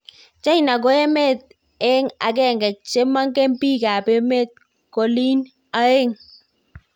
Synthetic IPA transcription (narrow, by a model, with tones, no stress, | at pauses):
t͡ʃa˦jna˨ɡo˦ɛ˦me˦˨t̪̚ | ɛ˦ŋa̰˨k̬ɛ˦˨ŋɡɛ˨t͡ʃe˦ma˦ŋɡɛ˦mpi˦ka˨pe˦me˦t̪̚ | ko˨li˦n | a˦e˦ŋ